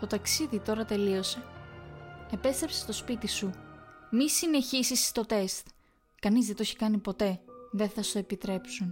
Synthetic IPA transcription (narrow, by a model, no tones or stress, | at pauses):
t̪o̞t̪ɐksiðit̪o̞ɾɐt̪e̞lio̞se | e̞pe̞st̪ɾepsest̪o̞spit̪isumisine̞çisist̪o̞t̪e̞st̪ | kɐnizðe̞t̪oçi̥kɐnipo̞t̪e̞ðe̞θɐsoe̞pit̪ɾe̞psun